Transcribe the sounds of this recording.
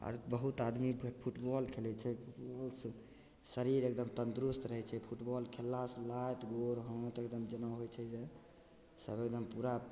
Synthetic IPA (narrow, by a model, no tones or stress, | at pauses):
ɔ̰ɾbəɦut̪ad̪mipʰuʈbɔlkʰelɛt͡ʃʰɛpʰuʈbɔls | səɾiɾekd̪əmt̪ənt̪ɾust̪ɾəɦɛt͡ʃʰɛpʰuʈbɔlkʰelːaslajt̪ɡoɾɦə̃t̪ekd̪əmd͡ʒənəɦot͡ʃʰɛd͡ʒe | səbek̚d̪əmpuɾa